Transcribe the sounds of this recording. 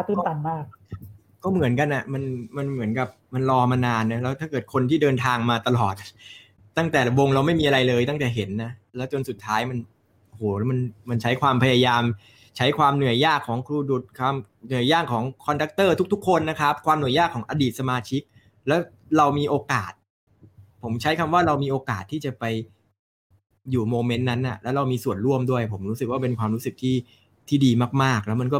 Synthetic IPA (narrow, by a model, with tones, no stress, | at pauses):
a˧˦t̪iː˥˩mt̪a˧˩nmaː˥˩k̚ | kɔː˥˩mɯ˨˩˦ənka˧nʔa˨˩ma˧nma˧nmɯ˩˦ənka˨˩p̚ma˧nlɔː˧maː˧naː˧nːa˦˥lɛː˦˥t̪ʰaː˥˩kɤː˨˩t̪̚kʰo˧nt̪ʰiː˥˩dɤː˧nt̪ʰaː˧ŋmaː˧t̪a˧lɔː˨˩t̪̚ | t̪ːa˥˩ŋt̪ɛː˨˩la˨˩wo˧ŋɾa˧wma˥˩jmiː˧ʔa˧ɾa˧jlɤː˧jt̪a˥˩ŋt̪ɛː˨˩ɦe˩˦nːa˦˥lɛː˦˥wt͡ɕo˧nsu˨˩t̪ʰːaː˦˥jma˧n | o˧hoː˩˦˥ma˧nma˧nt͡ɕʰa˦˥jkʰwaː˧mpʰa˧ja˧jaː˧m | t͡ɕʰa˦˥jkʰwaː˧mnɯ˨˩əjːaː˥˩kʰːɔː˩˦ŋkʰɾuː˧du˨˩t̪̚kʰwaː˧m | nɯ˨˩əjːaː˥˩ŋkʰːɔː˩˦ŋkʰɔː˧nda˦˥k̚t̪ɤː˥˩t̪ʰu˦˥kt̪ʰu˦˥kʰːo˧nːa˦˥kʰa˦˥p̚kʰwaː˧mnu˨˩əjaː˥˩kʰːɔː˩˦ŋʔaː˧diː˨˩t̪̚sa˧maː˧t͡ɕʰi˦˥k̚ | lɛː˦˥w | ɾa˧wmiː˧ʔoː˧kaː˨˩t̪̚ | pʰo˩˦mt͡ɕʰa˦˥jkʰa˧mwaː˥˩ɾa˧wmiː˧ʔoː˧kaː˨˩t̪ʰːiː˥˩t͡ɕa˨˩pa˧j | juː˨˩moː˧me˦˥nːa˦˥nʔa̰˨˩lɛː˦˥ɾa˧wmiː˧su˨˩ənɾu˥˩əmdu˥˩əjpʰo˩˦mɾuː˦˥sɯ˨˩k̚waː˥˩pe˧nkʰwaː˧mɾuː˦˥sɯ˨˩k̚t̪ʰiː˥˩ | t̪ʰiː˥˩diː˧maː˥˩k̚maː˥˩k̚lɛː˦˥wma˧nkɔː˥˩